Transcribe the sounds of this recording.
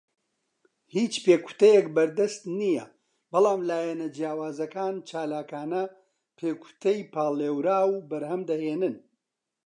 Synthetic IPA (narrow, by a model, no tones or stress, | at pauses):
hiːt͡ʃpeːku̥t̪ɐjɛkbɐɾd̪ɐst̪nijɐ | bɑlˠaːmlaːjɐnɐd͡ʒjaːwaːzɐkaːnt͡ʃʰaːlaːkaːnɐ | pʰeːkʰu̥t̪ʰɐjpʰaːlˠeːwɾaːwbɐɾhɐmd̪ɐheːnɨn